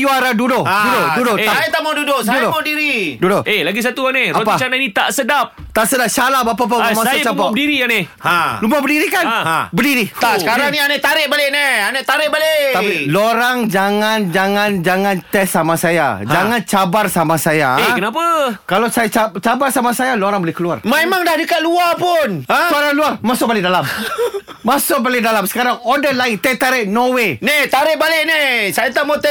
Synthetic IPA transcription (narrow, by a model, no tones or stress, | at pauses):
juaɾadudoʔudodudoaajat̪amadudoʔsadudomadiɾidudoʔelaɡis̬at̪uaneɾaɔpat͡ʃananit̪a̰ʔsədap̚t̪aʔsədap̚salabap̬ap̬amãsajat͡ʃapɔbədiɾianealumabədiɾikanabədiɾit̪asəkaɾaŋnĩanaʔt̪aɾɪʔbaleʔneanaʔt̪aɾɪʔbalet̪ailoɾaŋd͡ʒaŋand͡ʒaŋand͡ʒaŋant̪ɛsamasaja̰d͡ʒaŋant͡ʃabarsamasajaekənapakalasajat͡ʃat͡ʃabarsamasajaloɾaŋbolɪhkəluarmaemaŋdahdəkat̪luapʊnaskaɾaŋluarmasʊʔ̚balɪʔdalam | masʊʔ̚balɪdalamsə̥kaɾaŋodəlaɪnt̪ɛt̪aɾɪʔnowenet̪aɾɪʔbalɪʔnisajat̪amat̪ɛ